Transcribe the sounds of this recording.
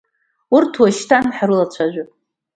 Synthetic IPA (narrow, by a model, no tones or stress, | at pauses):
urtʰwaʃtʰanħaɾulat͡ɕʷʰaʒʷᶣʊ